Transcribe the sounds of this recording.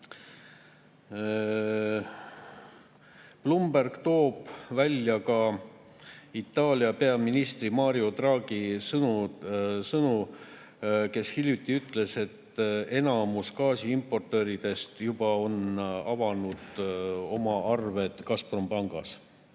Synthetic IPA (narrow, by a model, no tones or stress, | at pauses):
plumbærɡ̥t̪o̞ːb̥vælʲjɑkɑ | it̪ːˑɑːlʲiɑpe̞ɑminist̪rimɑːɾio̞d̪rɑːɡ̥isɤnusɤnu | ke̞shilʲjut̪ːiyt̪ˑle̞se̞t̪ːe̞nɑmuskɑːsiimpːo̞rt̪ːˑø̞ːɾid̪̥e̞st̪jub̥ɑo̞nɑvɑnud̪̥o̞mɑʔɑrve̞d̪̥kɑsprompɑŋɡ̥ɑ̰s